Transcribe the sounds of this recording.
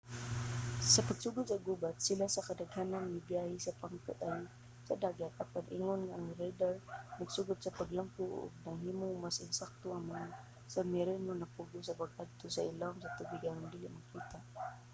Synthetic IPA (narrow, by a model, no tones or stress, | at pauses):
sapaɡ̥suɡʊt̪saɡubat̪silasakadaɡhananmibiahisapaŋkət̪aj | sadaɡat̪̚ʔapanʔḭŋʊnŋaɾajdarnaɡsuɡʊt̪̚sapaɡlampuʔʊ̰ɡ̚naɦimʊŋmasɪnsak̚t̪ʊʔaman | samiɾɛnʊnapuɡʊsapaɡad̪̚t̪ʊsailaʊmsat̪ubiɡaɾʊndiliʔmakit̪a